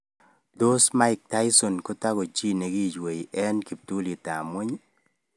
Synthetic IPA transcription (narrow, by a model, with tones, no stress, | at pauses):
do˦sma˦ɪ˦k̚ta˦ɪ˦so˨nko˦ta˦ɡo˨t͡ʃi˦ne˨ɡi˦˨d͡ʒwe˨ji˨ʔɛ˦nki˨p̚tu˦li˨ta˨mo˦ɲ